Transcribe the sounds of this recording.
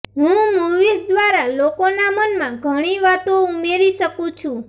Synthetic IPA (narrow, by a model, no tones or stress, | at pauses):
ɦũmuɾʋisd̪ʋaɾalokonamənmãɡʱəɽ̃iʋat̪oumeɾiʃəkũt͡ʃʰũ